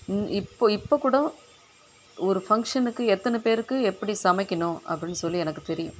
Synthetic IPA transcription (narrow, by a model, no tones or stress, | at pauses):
nɪpːoɪpːoːkːuːɽɐ̃ | ɔɾɯfɐŋkʂɐnɯkːɯɛt̪ːɐnɯpeːɾɯkːɯɛpːɐɽisɐmɐɪkʲːɪnʊ̃ɐ̰pːɐɽɪnːɯsɔlːiɛnɐkːɯt̪ɛɾɪjʊ̰̃